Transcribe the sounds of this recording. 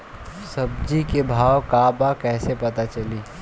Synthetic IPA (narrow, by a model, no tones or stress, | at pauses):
sɐb̚d͡ʒikebʱaːʋkaːbakɛːsepɐt̪at͡ʃɐliː